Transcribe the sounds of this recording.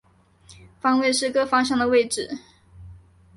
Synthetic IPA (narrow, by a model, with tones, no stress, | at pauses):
fɑ˥ŋwe˥˧ɪʂɻ̩˥˩kɤ˥fɑ˥ŋɕ̬jɑ˥˩ŋd̪ə˩we˥˩ɪʈ͡ʂɻ̩˨˩˦